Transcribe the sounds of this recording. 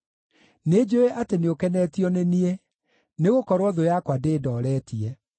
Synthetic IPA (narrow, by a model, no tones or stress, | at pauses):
ned͡ʑoeʔateneokɛnɛtiɔnenie | neɣokɔɾwɔðojakwadeːdɔːɾɛːtiɛ